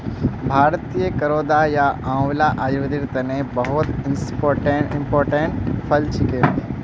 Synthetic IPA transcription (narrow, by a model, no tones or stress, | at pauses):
bʱaːɾt̪ijəkəɾoːd̪ajaãːʋlaʔaːd̪iʋəd̪iɾt̪ənebɐɦʊt̪ɪnspoːɾʈeɪ̃mpoːɾʈẽɳʈpʰəlt͡ʃɪke